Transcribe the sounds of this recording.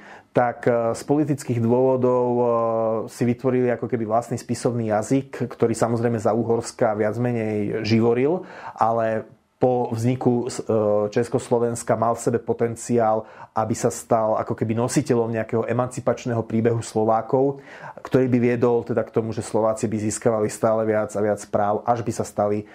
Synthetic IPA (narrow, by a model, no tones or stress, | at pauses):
t̪akspɔlit̪it͡skiːɣd̪ʋʊɔʋɔd̪ɔʊ | siʋit̪ʋɔɾiliakɔkɛbiʋlast̪nispisɔʊniːjazikːt̪ɔɾiːsamɔzɾɛjmɛzauːɦɔɾskaʋɪad͡zmɛɲɛjʒiʋɔɾilʔalɛ | pɔʋzɲiku | t͡ʃɛskɔslɔʋɛnskamalfsɛbɛpɔt̪ɛnt͡siaːlʔabisast̪ala̰kɔkɛbinɔsicɛʎɔmɲɛakɛɦɔʔɛmant͡sipat͡ʃnɛɦɔpɾiːbɛɦuslɔʋaːkɔʊkt̪ɔɾiːbiʋɪɛd̪ɔlt̪ɛd̪akt̪ɔmuʒɛslɔʋaːt͡sibiziːskaʋalist̪aːlɛʋɪad͡zaʋɪat͡spɾaːʊʔaʒbisast̪ali